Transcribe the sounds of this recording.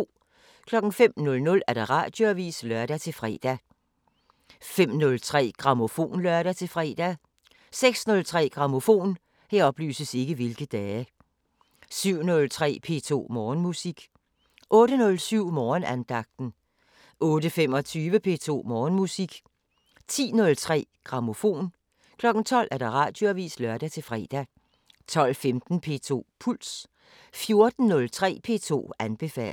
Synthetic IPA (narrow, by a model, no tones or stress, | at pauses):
kʰlɒ̽ɡ̥n̩fem̰nɔ̽lnɔ̽læɐɾ̥ɑ̈ʁɑ̰̈d̥jo̝æʋḭːslɶɐɾ̥æt͡sʰe̝fʁɛ̰ːd̥æ | fem̰nɔ̽lt͡sʰʁɛ̰ːɡ̥ʁɑ̈mo̝fo̝̰ːnlɶɐɾ̥æt͡sʰe̝lfʁɛ̰ːd̥æ | seɡ̥snɔ̽lt͡sʰʁɛ̰ːɡ̥ʁɑ̈mo̝fo̝̰ːn | heɐ̰ɒ̽b̥ly̰ːsəse̝ɡ̥əʋe̝lɡ̥əd̥ɛː | syʊ̰nɔ̽lt͡sʰʁɛ̰ːpʰe̝̰ːt͡sʰo̝̰ːmɒːnmusiɡ̥ | ʔɔ̽ːɾənɔ̽lsyʊ̰mɒːnænd̥ɑ̈ɡ̥̚d̥n̩ | ʔɔ̽ːdəfem̰ɒ̽t͡sʰyːʋəpʰe̝̰ːt͡sʰo̝̰ːmɒːnmusiɡ̥ | t͡sʰḭːnɔ̽lt͡sʰʁɛ̰ːɡ̥ʁɑ̈mo̝fo̝̰ːn | kʰlɒ̽ɡ̥n̩t͡sʰɒ̽l̰ʔæɐd̥ɑ̈ʁɑ̰̈ːd̥jo̝æʋḭːslɶɐd̥æt͡sʰe̝lfʁɛ̰ːd̥æ | t͡sʰɒ̽l̰femd̥n̩pʰe̝̰ːt͡sʰo̝̰ːpʰul̰s | fjo̝ɐd̥n̩ːɔ̽lt͡sʰʁɛ̰ːpʰe̝̰ːt͡sʰo̝̰ːænb̥e̝fɛ̰ːl